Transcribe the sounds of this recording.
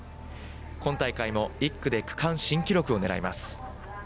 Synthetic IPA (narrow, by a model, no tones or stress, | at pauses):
kõ̞nt̪aikaimo̞ikːɯ̟d̪e̞kɯ̟̥kʰãɰ̃ɕĩŋkʲiɾo̞kɯ̟o̞ne̞ɾa̰imasɨ̥